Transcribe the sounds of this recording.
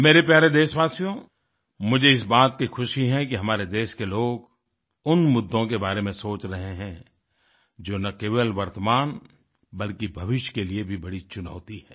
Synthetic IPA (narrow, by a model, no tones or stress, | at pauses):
meːɾep̬jaːɾed̪eːʃʋaːsijõ | mʊd͡ʒʱeɪsbaːt̪̚kixʰʊʃiɦɛ̃kiɦɐmaːɾed̪eːʃkeloːɡ | ʊnmʊd̪ʱːõkebaːɾemẽsoːt͡ʃɾɐɦeɦɛ̃ | d͡ʒoːnɐkeːʋəlʋɐɾt̪əmaːn | bɐlkibʱɐʋɪʃjkeliebʱibɐɽit͡ʃʊna̰ːt̪iɦɛ̃ː